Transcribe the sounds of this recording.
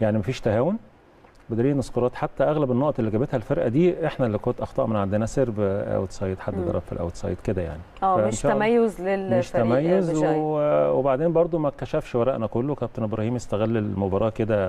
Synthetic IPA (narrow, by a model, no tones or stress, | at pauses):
jaʕnimæfiːʃt̪æhæːwon | bed̪æɾiːnesqoɾɑːt̪ħat̪ːæʔæɣlæbenːoʔɑt̪elːiɡæbet̪hælfeɾʔæ̰d̪iːʔeħnælːikont̪ʔɑxt̪ɑ̰ʔmenʕand̪enæseɾbʔæ̰wet̪sˤɑjːed̪ħad̪ːed̪ɑɾˤɑ̰bfḭlʔæ̰wt̪sˤɑ̰jt̪ked̪æja̰ʕniæʔmenʃɑːæmæjːozlelmeʃt̪æmæjːozwewebaʕd̪eːmbɑɾˤd̪ˤomæk̚ːæʃæfʃwæɾˤæʔnækolːowkæp̚t̪enebɾɑhiːmjest̪æɣælːelmobɑɾˤɑːʔked̪æ